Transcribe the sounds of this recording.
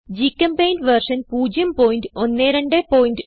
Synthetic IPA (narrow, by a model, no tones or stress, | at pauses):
d͡ʑiːkɐmpejnʋɐrʂɐnpuːd͡ʑjɐmpoːjinʈɨonːeːɾɐɳɖepoːjinʈɨ